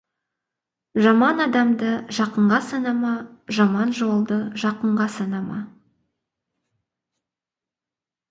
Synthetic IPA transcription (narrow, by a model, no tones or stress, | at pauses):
ʒɑmɑnɑd̪ɑmd̪əʒɑqəɴʁɑsɑnɑmɑʒɑmɑnʒo̞lˠd̪əʒɑqəɴʁɑsɑnɑmɑ̰